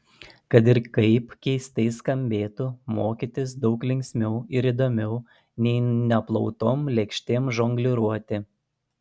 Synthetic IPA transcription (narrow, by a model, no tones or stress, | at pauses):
kɐt̪̬ɪɾkɐɪpkʲɛɪst̪ɐɪskɐmʲbʲeːt̪umoːkʲit̪ʲɪs̬d̪ɒʊklʲɪŋʲkʲsʲmʲɛʊɪɾiːd̪oːmʲɛʊ | nʲɛɪnʲɛplˠɒʊt̪oːmlʲɛkʃʲt̪ʲeːmʒoŋɡlʲɪɾuɔt̪ʲɪ